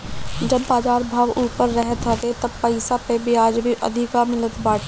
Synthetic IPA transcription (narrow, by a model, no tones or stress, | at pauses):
d͡ʒɐbːaːd͡ʒaːɾbʱaːʋuːpəɾːɛɦt̪əd̪et̪ɐbpəɪsapebʱiaːd͡ʒbʱiʔɐ̰d̪ʱɪkamɪlət̪baːʈ